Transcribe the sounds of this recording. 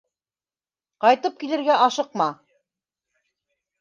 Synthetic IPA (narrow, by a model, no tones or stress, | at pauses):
qɑjt̪ɤp̚kilɘ̆ɾɡæʔɑʃɤqmɑ